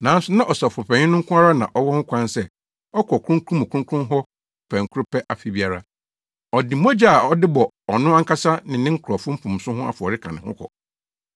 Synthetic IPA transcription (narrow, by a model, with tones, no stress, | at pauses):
nã˨˦n̩˦sʊ˦nã˦ʔɔ˨sa˨fʊ˨pʰɛ̃˨ɲɪ̃˦nʊ̃˦ŋ̩˦kʰʊ̃˦a˦ɾa˦nã̰˨ʔɔ˦wɔ˦ŋʊ̃˦kʷʰã˦nsɛ˦ | ɔ˦kʰɔ˨kʰɾũ˦ŋ˦kʰũ˦mʊ̃˨kʰũ˦kʰʊ̃˦ɦɔ˦˨ | pʰɛ̃˨ŋ̩˨kʰu˦ɾʊ˦pɛ˦ʔa˨fi˦˨bi˦a˨ɾa˦˨ | ɔ˨dɪ˨mo˦d͡ʑa˦a˨ɔ˦dɪ˦bɔ˨ | ɔ˨nʊ̃˦a˦ŋ̩˦ka˦sa˦nɪ̃˨nɪ̃˦ŋ̩˦kʰʊ˨ɾɔ˨fʊ̃˦m̩˦pʰũ˨m˨sʊ̃˦ɦʊ̃˦a̰˨fʊ˨ɔ˨ɾɪ˦kʰã˨nɪ̃˨hʊ̰̃˦kʰɔ̰˨